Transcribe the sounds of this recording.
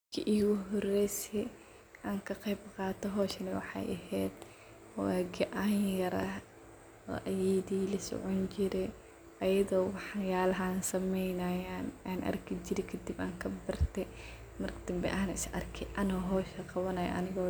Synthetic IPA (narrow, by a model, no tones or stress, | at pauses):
kʰɪʔiɣʊɦɔrɛjsɛ | ʔaːŋkʰɐqɛjbqɑːt̪ɔɦɔːʃɐnɪwɑ̰ħɑ̰jʔɐ̰ɦɛːd̪ | aɡɐʔanjɐɾɐ | ɔ̰ʔɐjɛðiːlɐsɔ̰ʕɔnt͡ʃɪɾɛ | ʔɐjɐðɔːwɑħjaːlɐɦaːnsɐmɛjnɐjaːnaːnʔɐ̰rkʰid͡ʒɪɾɛkʰɐd̪iba̰ːŋkʰɐbɐrt̪ʰɛ | mɐrkʰɐd̪ɐmbɛ̰ʔaːnɐɪsʔɐ̰rkʰɛʔɐnɔːɦɔːʃɐqɑβɐnɐjɐ̰ʔɐ̰nɪɣɔː